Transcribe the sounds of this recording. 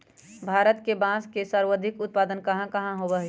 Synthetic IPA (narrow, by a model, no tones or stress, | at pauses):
bʱaːɾət̪kebãːskesəɾwəd̪ʱɪkʊt̪̚paːd̪ənkɐɦãkɐɦãɦobəɦ